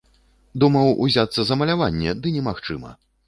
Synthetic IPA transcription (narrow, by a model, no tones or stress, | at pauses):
d̪umɐwṵzʲat̪sːɐzɐmɐlʲavanʲːɛd̪ɨnʲɛmaxt͡ʂɨmɐ̰